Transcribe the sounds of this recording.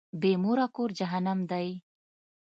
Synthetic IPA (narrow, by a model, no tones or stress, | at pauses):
bemoɾakoɾd͡ʒaɦanamd̪aj